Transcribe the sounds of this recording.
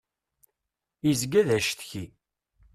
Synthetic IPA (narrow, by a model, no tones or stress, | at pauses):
izɡæðæʃθçi